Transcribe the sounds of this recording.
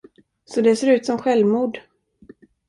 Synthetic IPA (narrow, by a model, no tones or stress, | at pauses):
sɔd̪ɛseːɾʉ̟ːt̪sɔmɧɛlvmuːd̪